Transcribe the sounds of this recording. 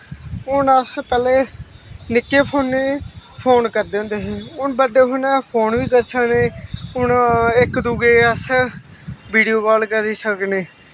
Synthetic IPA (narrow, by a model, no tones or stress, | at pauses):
ʊnəspɛːleːnɪkːeːpʰoːnːeːpʰoːnkəɾd̪ẽːoːnd̪eːɦeːʊnbəɖeːɦoːnaːpʰoːnʋiːkəɾsʰəkneːʊnɪkd̪uɡeːəs | biːɖijoːkɔːlkəɾiːsəkneː